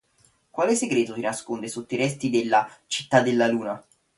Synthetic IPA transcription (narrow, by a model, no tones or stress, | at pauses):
kwaːleseɡɾɛːt̪osinaskond̪esot̪ːoiɾɛst̪id̪elːat͡ʃi̥t̪ːad̪ːelːaluːna